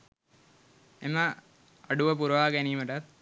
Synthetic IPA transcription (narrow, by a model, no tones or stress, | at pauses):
emə | ɐɖuʋəp̬uɾʋaːkniːməʈɐt̪̚